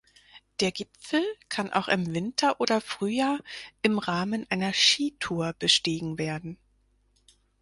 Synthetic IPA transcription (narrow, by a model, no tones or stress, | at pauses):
d̥eːɐɡɪpp͡fl̩kʰanʔa̰ʊxɪmvɪntʰɐʔoːdɐfʁ̥yːjaːɐʔɪmʁaːmənʔaɪnɐʃiːtʰuːɐb̥əʃteːɡŋ̩veːɐdn̩